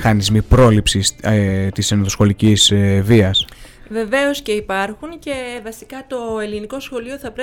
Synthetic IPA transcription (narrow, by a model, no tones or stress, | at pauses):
xɐnizmipɾo̞lipsist̪isenot̪osxo̞licizviɐs | ve̞ve̞o̞sce̞ipɐɾxunce̞vɐsi̥kɐt̪o̞e̞liniko̞sxo̞lio̞θɐpɾe